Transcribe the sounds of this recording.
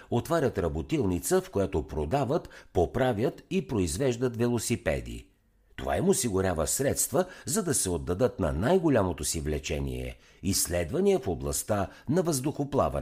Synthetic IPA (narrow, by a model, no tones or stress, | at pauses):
ot̪vaɾʲət̪ɾɐbot̪ilˠnit̪səfkojat̪opɾod̪avət̪popɾavʲjət̪ipɾoizvɛʒd̪ət̪vɛlˠosipɛ̰d̪ḭ | t̪o̰va̰imosiɡʊɾʲavəsɾɛt̪st̪vəzɐd̪ɐsɛod̪ːɐd̪ɤt̪nɐ̰najɡolʲamot̪osivlɛt͡ʃɛnḭɛ̰ | islɛd̪vɐniəfoblˠɐst̪anɐvəzd̪ʊxoplˠa̰vɐ̰n